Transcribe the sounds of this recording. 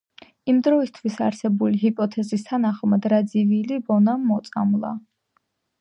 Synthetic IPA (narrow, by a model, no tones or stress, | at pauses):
imd̪ɾɔist̪ʰwisaɾsɛbuliɦipʼɔt̪ʰɛzist̪ʰanaχmad̪ɾad̪zivilibɔnamːɔt̪sʼa̰mlˠa̰